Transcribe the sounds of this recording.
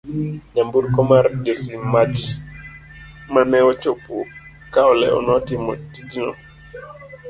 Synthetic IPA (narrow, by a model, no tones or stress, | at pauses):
ɲambuɾkɔmaɾɗesimat͡ʃ | manɛwɔt͡ʃopu | kawɔlɛ̰ɔ̰nɔtimɔ̰tid͡ʒinɔ̰